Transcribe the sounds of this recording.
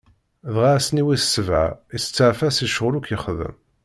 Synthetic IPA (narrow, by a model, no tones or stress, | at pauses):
ðʁasəniwiθsəvʕa̰isə̥t͡sːəʕfæsiʃəʁlukjəχðə̰m